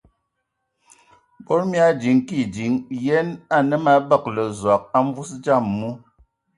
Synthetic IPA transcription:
bo˦ɾmi˦a˦d͡ʒi˨ŋki˦˨d͡ʒi˨˦ŋjɛ˦na˦˨nə˦ma˦bə˦˨k̚lə˨zwa˨k̚a˦ɱ˦vu˦sd͡ʒa˦˨mːu˦

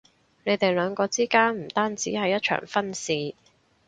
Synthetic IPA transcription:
ne˨˧jt̪e˨jlœː˨˧ŋkɔː˧t͡siː˥kaː˥nm̩˨˩t̪aː˥nt͡siː˨˥hɐ˨˧jɐ˥t̚t͡ʃʰœ̰ː˨˩ŋfɐ˥nsiː˨

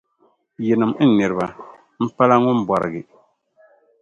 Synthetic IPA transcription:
jɛ˨nɨ˨mn̩˦nɨ˨ɾɨ˨ba˨ | m̩˦pa˦la˦ŋʊ˦m̩˦ba˨ɾɨ̰˨ɡɪ˨

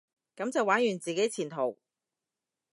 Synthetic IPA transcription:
kɐ˨˥mt͡sɐ˨waː˨˥njyː˨˩nt͡siː˨ke˨˥jt͡sʰiː˨˩nt̪ʰo˨˩w

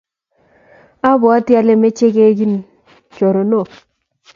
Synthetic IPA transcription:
a˦bɔ˨a˦tja˦le˦me˦t͡ʃe˦ke˦ɡi˦n | t͡ʃo˨ɾo˨no˦˨

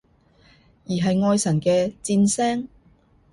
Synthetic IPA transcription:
jiː˨˩ɦɐ˨jŋɔː˧jsɐ˨˩nkɛː˧t͡siː˧nsɛː˥ŋ

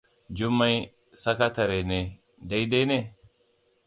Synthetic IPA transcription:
d͡ʒu˦mːa˦j | sɐ˦ka˦t̪ɐ˨ɾe˨ne˨ | dɐ˦jde˦ne˦˨

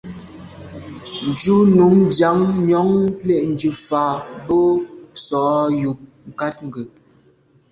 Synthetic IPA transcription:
n̩˨d͡ʒu˦nu˨˦ŋdja˨˦ŋɲɔ˨˦ŋlɛ˨ʔn̩˨d͡ʒʉ˨faː˨˦bo˦sɔ˨˦ju˨p̚ | ŋ̩˨ka˦t̚ŋ̩˨ɡə˨

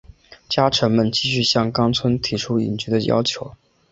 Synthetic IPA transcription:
t͡ɕja˥ʈ͡ʂʰə˧˥ŋmə˥˧nt͡ɕi˥˧ɕ̬y˥˧ɕjɑ˥˩ŋkɑ˥ŋt͡sʰwə˥nt̪ʰi˧˥ʈ͡ʂʰu˥ḭ˨˩nt͡ɕy˥˩d̪ə˨jɑ̰˥ʊt͡ɕʰjo˧˥ʊ

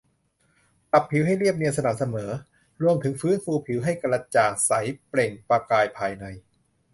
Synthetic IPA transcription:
ka˨˩pʰːi˩˦wɦa˥˩jli˥˩əp̚ni˧nsa˧na˨˩m̚sa˧mɤː˩˦ | ɾu˧əmt̪ʰɯ˩˦ŋfɯː˦˥nfuː˧pʰi˩˦wɦa˥˩jka˧la˧t͡ɕaː˨˩sa˩˦jpleː˨˩ŋpɾaː˧kaː˧jpʰaː˧jna˧j

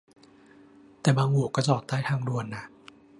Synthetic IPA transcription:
t̪ɛː˨˩baː˧ŋhu˨˩əkːɔː˧˥˩t͡ɕɔː˨˩t̪̚ːaː˥˩jt̪ʰaː˧ŋdu˧ənːa˦˥ʔ

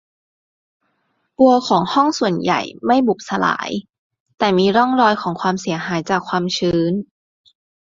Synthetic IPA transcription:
pu˧ɐkʰɔː˩˦ŋhɔ˥˩ŋsu˨˩ənja̰˨˩jma˥˩jbu˨˩p̚sa˧la̰ː˩˦j | t̪ɛː˨˩miː˧ɾɔ˥˩ŋɾɔː˧jkʰɔː˩˦ŋkʰwaː˧msi˨˩˦ɐɦaː˩˦jt͡ɕaː˨˩kʰwaː˧mt͡ɕʰɯː˦˥n

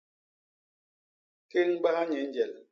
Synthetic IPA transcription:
ke˦ŋ̩˦ɡ͡ba˦ha˦ɲɛ˨˦n˦d͡ʒɛ˨l

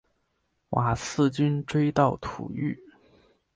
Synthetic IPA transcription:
wʔa˨˩sɹ̩˥˩t͡ɕy˥nʈ͡ʂwe˥ɪt̪ɑ˥˩ʊt̪ʰṵ˨˩y̰˥˩

